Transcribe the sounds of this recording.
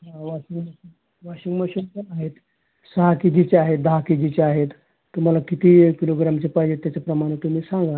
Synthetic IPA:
ɦaʋaɕiŋɡbəi | ʋaɕiŋɡməɕinpəaɦet̪ | səɦakid͡ʑit͡ɕeaɦet̪̚d̪əɦakid͡ʑit͡ɕeaɦet̪ː | um̤alakit̪iːkiloɡɾamt͡ɕepajd͡ʑet̪jat͡ɕapɾəmaɽ̃et̪um̤iːsãŋɡa

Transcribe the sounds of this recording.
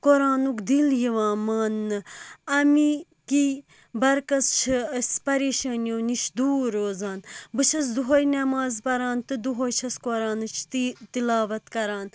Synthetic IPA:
koɾaːnukd̪iljiʋãːmaːnːɨɐmi | ki | bɐɾkɐst͡ʃʰɨɐsʲpɐɾeːʃɐːnjoːniʃd̪uːɾoːzaːnbɨt͡ʃʰɐs̬d̪uɦojnɐmaːzpɐɾaːnt̪ɨd̪uɦojt͡ʃʰɐskoɾaːnɨt͡ʃʰt̪it̪ilaːʋɐt̪kɐɾaːn

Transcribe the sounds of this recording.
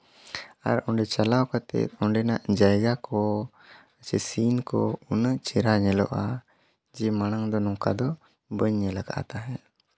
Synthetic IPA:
a̰ɾɔɳɖɛt͡ʃalawkat̪ɛ̰t̪̚ˀɔɳɖɛnaʔd͡ʒajɡakɔ | ət͡ʃɛsinkɔ̰unət͡ʃɛɾaɲɛlɔ̰ʔa | d͡ʒɛmañaŋd̪ɔnɔŋka̰d̪ɔ | bəɲːɛlaɡa̰ʔa̰t̪aɦɛ

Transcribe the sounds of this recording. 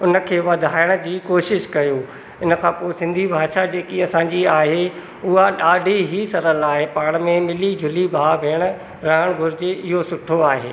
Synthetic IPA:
ʊnə̆kʰeːʋɐd̪ʱaːɪɽ̃əd͡ʑiːkoːʃɪʃkɐjũ | ɪnə̆kʰãːpoːɪsɪ̃nd̪ʱibʱaːʃad͡ʑeːkiɐsãɲd͡ʑiaːɦe | ʊɦaɗaːɖʱiɦisɐɾəlaːɦepaːɽ̃mẽmɪlid͡ʑʱʊlibʱaːʋʱeːɽ̃ə | ɾɐɦəɽ̃ɡʱʊɾɪd͡ʑeʔɪɦosʊʈʰoaːɦḛː

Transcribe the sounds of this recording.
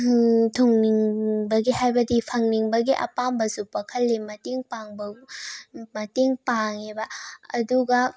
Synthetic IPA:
tʰuŋniŋbɐɡihajbɐdipʰɐŋniŋbɐɡiʔɐ̰pambɐsupɐkʰɐlːemɐteŋpaŋbɐ | mɐteŋpaŋebɐːduɡɐ

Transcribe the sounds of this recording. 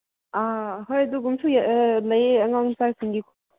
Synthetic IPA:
aɦojɐduɡumsʰujlɐjɐŋawŋsaɾsiŋɡikʰɔ̥

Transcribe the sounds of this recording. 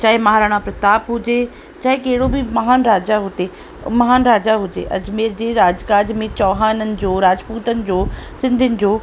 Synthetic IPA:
t͡ɕaːɦemɐɦaːɾaːɽ̃apɾɐt̪aːpɦʊd͡ʑe | t͡ɕaːɦekɐɦɪɽobʱimɐɦaːnɾaːd͡ʑaɦʊt̪e | mɐɦaːnɾaːd͡ʑaɦʊd͡ʑḛʔɐ̰d͡ʑmeːɾd͡ʑeːɾaːd͡ʑkaːd͡ʑmẽt͡ɕɔːɦaːnənɪ̆d͡ʑoːɾaːd͡ʑpuːt̪ənɪ̆d͡ʑoːsɪ̃nd̪ʱɪənɪ̆d͡ʑoː

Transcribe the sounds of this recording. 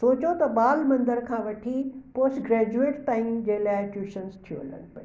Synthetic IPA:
soːt͡ɕot̪ɐɓaːlmɐ̃nd̪əɾkʰãːʋɐʈʰipoːsʈɡɾɛːd͡ʑueːʈpaːɪ̃md͡ʑeːlaːɪʈuːʃənst̪ʰijo̰ɦɐ̰lə̰ñɪ̆pɐe

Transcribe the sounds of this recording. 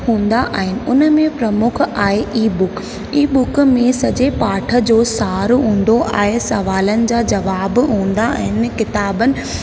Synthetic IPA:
ɦũːn̆d̪aʔːɦɪnɪ̆ʔʊnəmẽpɾɐmʊkʰaːɦeʔiːbʊk | iːbʊkmẽsɐd͡ʑepaːʈʰə̆d͡ʑoːsaːɾɦũːn̆d̪oʔa̰ːɦesɐʋaːlənɪ̆d͡ʑaːd͡ʑɐʋaːbɦũːn̆d̪aɦɪnɪ̆kɪt̪aːbənɪ̆

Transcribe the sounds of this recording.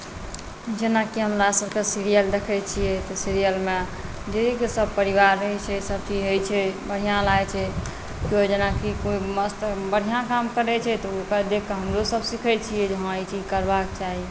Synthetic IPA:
d͡ʒenakiɦəmɾasəbkesiɾijəld̪ekʰɛt͡ʃʰijɛt̪ɔsiɾijəlme | d͡ʒed̪ʱikesəbpəɾiʋaɾːəɦɛt͡ʃʰɛsəb̚t͡ʃʰiɦojt͡ʃʰɛbəɽ̤ijãlat͡ʃʰɛ | kiod͡ʒenakikoiməst̪bəɽ̤ijãkamkəɾɛt͡ʃʰɛt̪ɔkəd̪ekʰːeɦəmɾosəbsikʰɛt͡ʃʰijɛd͡ʒəɦãəit͡ʃʰid͡ʒkəɾbak̚t͡ʃaɦi

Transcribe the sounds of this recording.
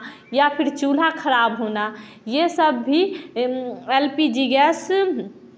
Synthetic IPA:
japʰɪɾt͡ʃuːl̤akʰəɾaːbɦoːna | jesəbːʱi | elpid͡ʒiɡes

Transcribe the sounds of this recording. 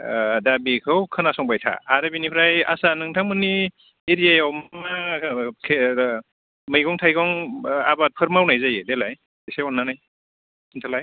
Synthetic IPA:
dabikʰɯwkʰɯnasɔŋbajtʰa̰ːɾɯbinipʰɾaja̰sanɯŋtʰaŋmɯni | eɾijajawmnakʰe | mɯjɡɔŋtʰajɡɔŋa̰bat̚pʰɯɾmawnajzajedelaj | desajɔnːanaj | sʰintʰalaj

